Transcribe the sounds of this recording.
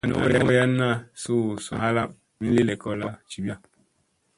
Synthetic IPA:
a˨no̰˨o̰˦ɾa˦o˦ja˦na˦˨su˦˨sṵ˨ɦa˦la˦˨m | mi˦n̩˦li˦le˨kɔ˦la˦t͡ʃi˨bja˦

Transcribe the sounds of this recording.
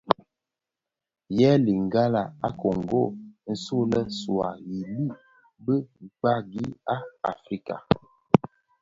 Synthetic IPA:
jɛ˦li˨ŋ˨ɡa˦la˨a̰˦ko˨ŋ˨ɡo˦˨n̩˦su˦lɛ˦swa˨ji˨lu˦ʔ | bə˦˨k͡pa˦ɡi˦a˦a̰˨fɾi˦ka̰˨

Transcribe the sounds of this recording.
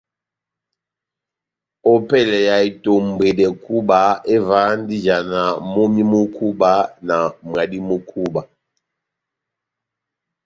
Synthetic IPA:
ɔ˦pɛ˦˨lɛ˨ja˨i˨to˨m˨be˨dɛ˨ku˦ba˨ɛ˦va˨˦n˦di˦d͡ʒa˨na˨mo˦mi˦mu˦kʰu˦ba˦na˨mwa˨di˦mu˦kʰu˦ba˨

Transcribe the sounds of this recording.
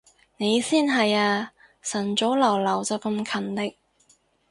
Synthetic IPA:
ne˨˧jsiː˥nɦɐ˨jaː˧ | sɐ˨˩nt͡so˨˥wlɐ˨˩wlɐ˨˩wt͡sɐ˨wkɐ˧mkʰɐ˨˩nt̪ɪ˥k̚

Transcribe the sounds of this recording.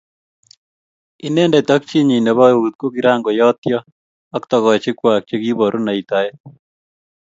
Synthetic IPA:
i˦nɛ˦nda˨t̪a˦k̚t͡ʃi˦ɲi˨ne˨βɔ˦ut̪̚ko˦kiɾaː˦ŋɡo˨jɔt̪jɔ | akt̪ɔɣɔ˨t͡ʃikwa˨k̚t͡ʃekibɔ˨ɾu˦na˨it̪a˨je

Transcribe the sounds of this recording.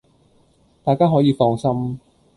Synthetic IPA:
t̪aː˨jkaː˥ɦɔː˨˥jiː˨˧fɔː˧ŋsɐ˥m

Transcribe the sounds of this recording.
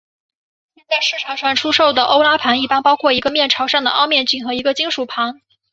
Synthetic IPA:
ɕɛ˥˧nt͡sa˥˧ɪʂɻ̩˥˩ʈ͡ʂʰɑ˨˩ʂɑ˥˩ŋʈ͡ʂʰu˥ʂo˥˩ʊd̪ə˩ʔo˥ʊla˥pʰa˧˥ni˥˩pa˥npɑ˥ʊkʰwɔ˥˩i˧˥ɡə˧mjɛ˥˩nʈ͡ʂʰɑ˧˥ʊʂɑ˥˩ŋd̪ə̰˩ʔɑ̰˥˧ʊmjɛ˥˧nt͡ɕy˥˩ŋxɤ˧˥i˧˥ɡə˧t͡ɕi˥ŋʂu˨˩pʰa˧˥ŋ

